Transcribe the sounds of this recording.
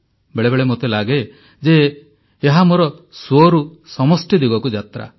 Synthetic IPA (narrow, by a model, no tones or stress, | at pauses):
beɭebeɭemot̪elaɡe | d͡ʒeː | ɦamoɾɔswoɾusɔmɔsʈjɔd̪iɡɔkud͡ʒat̪ɾa̰